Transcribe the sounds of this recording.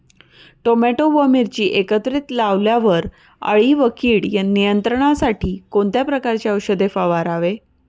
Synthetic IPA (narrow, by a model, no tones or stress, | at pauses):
ʈomɛʈoʋəmiɾt͡ɕiːʔekət̪ɾit̪laʋljaʋəɾ | ə̰ɭiʋəkiːɭjanijənt̪ɾəɳ̃asaʈʰiːkoɳt̪japɾəkaɾt͡ɕaəwɕəd̪efaʋaɾaʋe